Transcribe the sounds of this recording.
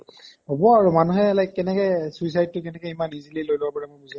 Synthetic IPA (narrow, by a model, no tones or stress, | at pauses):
ɦobɔaɹumanuɦɛlajkkːɛnɛkɛsuisajd̚tːʊkɛnɛkɛimanizililojloapaɹɛmʊjbuza